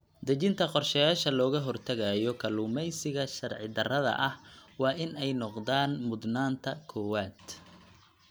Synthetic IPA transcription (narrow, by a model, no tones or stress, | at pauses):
d̪ɐt͡ʃɪnt̪ʰɐqɔrʃɛjaːʃɐlɔːɣɐɦɔrt̪ʰɐɣɐjɔkʰɐluːmɛjsɪɣɐʃɐrʕɪ̰d̪ɐrɐðɐ̰ʔɐhwɑːʔɪnɛjnɔqd̪aːnmʊd̪naːnt̪ʰɐkʰɔːwaːd̪̥